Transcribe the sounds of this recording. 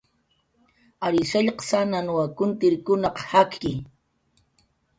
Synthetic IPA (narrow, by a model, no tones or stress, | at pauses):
aɾɪsaʎqɑ̥sananwakʊnt̪ɪɾkʊnɑqhakkɪ